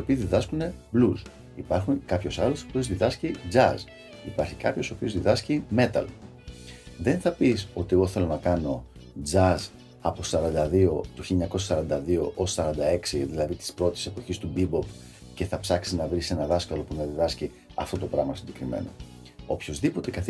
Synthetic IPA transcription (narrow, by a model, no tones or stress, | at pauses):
io̞piːzðiðɐskune̞blus | ipɐɾxunkɐpço̞sɐlosiopiozðiðɐscid͡zɐz | ipɐɾçi̥kɐpço̞so̞pio̞zðiðɐscime̞t̪ɐ̰l | ðe̞nθɐpiso̞t̪ieɣo̞θe̞lo̞nɐkɐno̞ | d͡zɐz | ɐpo̞sɐɾɐnd̪ɐðio̞t̪uçiliɲɐko̞s̬ɐsɐɾɐnd̪ɐðio̞ʔo̞ssɐɾɐnd̪ɐe̞ksiðilɐðit̪i̥spɾo̞t̪i̥se̞po̞çist̪ubibo̞p | ce̞θɐpsɐksiznɐvɾise̞nɐðɐskɐlo̞punɐðiðɐsci | ɐ̰ft̪o̞t̪o̞pɾɐɣmɐsinɟe̞kɾime̞̰no̞̰ | o̞pço̞zðipo̞t̪e̞kɐθ